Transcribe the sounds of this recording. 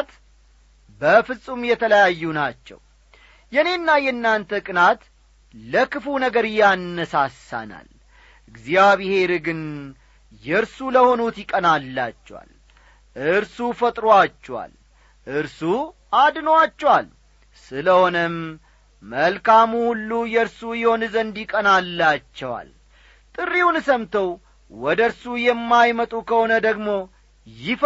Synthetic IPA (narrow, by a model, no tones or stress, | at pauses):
t̪ | bəfɨsʼumjɛt̪ʰələjajːunat͡ʃːɛ̰w | jɛne̞nːajɛnːant̪ʰəkʼɨnat̪ | ləkʰɨfunəɡəɾjanːəsasa̰na̰l | ʔɨɡziaβɪhe̞ɾɨɡɨn | jɛɾsuləho̞nut̪jɪkʼənalːa̰t͡ʃːɛwa̰l | ʔɨɾsufət̪ʼɾoat͡ʃːɛwa̰l | ʔɨɾsu | ʔad̪nəwat͡ʃːɛwal | sɨləho̞nəmː | əlkʰamuhulːujɛɾsujɪho̞nɨzənd̪jɪkʼənalːat͡ʃːɛwa̰l | t̪ʼɨrːiwunɨsəmt̪ʰəw | wɔd̪əɾsujɛmːajmət̪ʼukʰəho̞nəd̪əɡmo̞ | jɪf